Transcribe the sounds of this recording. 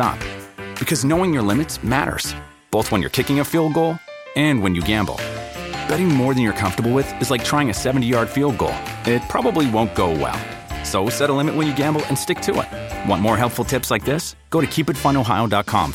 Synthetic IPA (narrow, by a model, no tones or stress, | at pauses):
ɑ̰pb̥ɨkʰʌznoʊɪ̃ŋjə˞lɪ̃mɨtsmæ̰ɾə̰˞z̥ | b̥oʊθwə̃njə̰˞kʰɪkɪ̃ŋɨfilˠd̚ɡoʊlˠ | ɨ̃nwɨ̃njɨɡæ̃mbl̩ˠb̥ɛɾɪ̃ŋmɔɹðɨ̃njə˞kʰʌ̃ɱftə˞bl̩ˠwɪðɨzlaɪk̚tʰɹ̥aɪɪ̃ŋɨsɛvn̩tijɑɹd̥filˠd̚ɡo̰ʊlˠɪt̚pʰɹ̥ɑbəbliwõʊ̃nɡ̥oʊwɛ̰lˠ | soʊsɛɾəlɪ̃mɨʔ̚wə̃njɨɡæ̃mbl̩ˠɨ̃nstɪk̚tʰɨɪ̰t̚wɑ̰̃nmɔɹɦɛlˠpfl̩ˠtʰɪpslaɪk̚ðɪsɡ̥oʊɾɨkʰipɨtfãɪ̃ñoʊɦaɪoʊdɑt̚kʰɑ̰̃m